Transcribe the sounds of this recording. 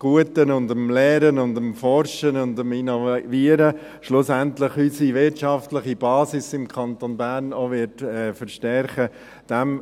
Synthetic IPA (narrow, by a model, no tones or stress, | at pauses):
ɡ̥uətənʊndəmlɛːɾənʊndəmfɔɾʃənʊndəminoviəɾə | ʃlʊsɛntləχysiʋɪtt͡ʃɑftləχib̥ɑːsɪsɪmkʰɑntonbæɾnoʋɪtɛːfəɾʃtɛɾχə | d̥ɛm